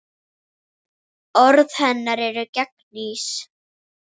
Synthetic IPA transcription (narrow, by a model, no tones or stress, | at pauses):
ɔɾðhɛnːaɾɛɾʏcɛknis